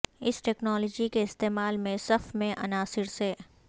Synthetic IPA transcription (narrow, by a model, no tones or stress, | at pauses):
ɪsʈɛːknɔːlɔːd͡ʒikeɪst̪eːmaːlmẽsɐfmẽʔɐnaːsɪɾseː